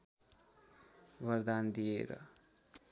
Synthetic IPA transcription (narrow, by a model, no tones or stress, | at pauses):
bʌɾd̪and̪ijḛɾʌ̰